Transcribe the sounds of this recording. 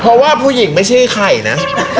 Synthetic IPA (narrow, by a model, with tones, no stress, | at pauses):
pʰɾɔ˦˥waː˥˩pʰuː˥˩ji˨˩˦ŋma˥˩jt͡ɕʰa˥˩kʰa˧˩jna˦˥ʔ